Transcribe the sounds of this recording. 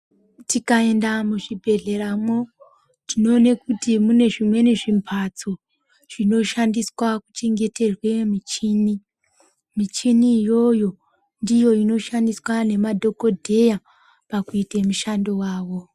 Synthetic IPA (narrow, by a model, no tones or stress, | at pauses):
tikae̞ndamuʐibʱe̞ɮe̞ɾamo | tino̞ːnekutimune̞ʐimwe̞ne̞ʐimpʰat͡so | ʐ̥ino̞ʃandiswakut͡ʃe̞ŋɡe̞te̞rwe̞mit͡ʃiːni | mit͡ʃinijo̞jo̞ | ndijo̞ino̞ʃandiswane̞madʱo̞ko̞dʱe̞ja | pakuitemuʃando̞waːwo̞